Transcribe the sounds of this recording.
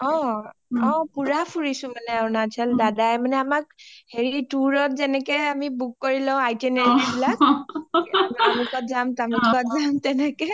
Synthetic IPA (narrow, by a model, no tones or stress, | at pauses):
ɔ̃ | ɔ̃puɹapʰuɹisʊ̃manɛawnat͡ʃʰɛldadajmanɛamak̚heɹiʈuɹɔt̚zɛnɛkɛamibukːɔɹilãʊ̃ajtɛneɹiibilak | tamukɔtzamtamutʰkɔtzamt̪ɛnɛkɛ